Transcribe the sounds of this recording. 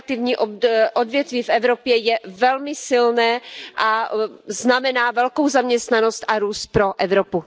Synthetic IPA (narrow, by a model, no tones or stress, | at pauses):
t̪ɪvɲiːʔoʔodvjɛt̪viːfɛvɾopjɛjɛvɛlmɪsɪlnɛːʔaznamɛnaːvɛlkowzamɲɛst̪nano̞st̪ʔaɾuːst̪̚pɾo̞ʔɛvɾopu